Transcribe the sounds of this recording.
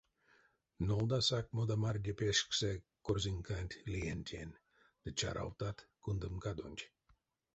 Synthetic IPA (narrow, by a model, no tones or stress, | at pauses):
nolˠd̪asak̚mod̪amarʲdʲepʲeʂksɛkorzʲiŋkanʲt̪ʲlʲienʲt̪ʲenʲ | d̪̥ɨt͡ʃa̰ɾʔa̰wt̪at̪kund̪ɨmkad̪onʲtʲ